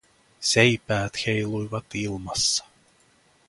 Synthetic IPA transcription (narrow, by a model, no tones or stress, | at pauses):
sejpæːt̪xejlujʋɑt̪ilmɑsːɑ̥